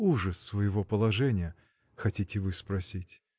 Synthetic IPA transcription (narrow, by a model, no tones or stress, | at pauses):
uʐəsːvəjɪvo̞pəlˠɐʐɛnʲɪjə | xɐtʲitʲɪvɨspɾɐsʲitʲ